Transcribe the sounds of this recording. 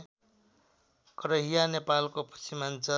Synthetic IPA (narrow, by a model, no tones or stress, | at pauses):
kʌɾʌɦijanepalkopʰʌ̥simant͡sʌ